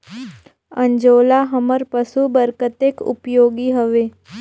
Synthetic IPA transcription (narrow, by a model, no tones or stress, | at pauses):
ə̃ɲd͡ʒoːlaɦəməɾpəsubəɾkət̪eːkʊ̰pjoːɡiɦəʋeː